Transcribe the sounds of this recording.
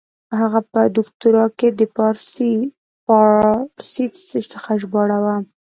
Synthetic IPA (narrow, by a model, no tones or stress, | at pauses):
haɣapəd̪ʊkt̪uɾɑked̪əpɑɾsi | pɑsit͡sət͡səxaʒbɑɽawa